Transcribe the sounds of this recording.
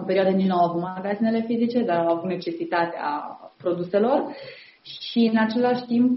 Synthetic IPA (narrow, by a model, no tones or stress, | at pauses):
mpe̞ɾioad̪əninawavut̪maɡad̪zine̞le̞fizit͡ʃe̞d̪aɾawavut̪ne̞t͡ʃe̞sit̪at̪ea̰pɾo̞d̪use̞lo̞r | ʃiɨnat͡ʃe̞laʃʲt̪imp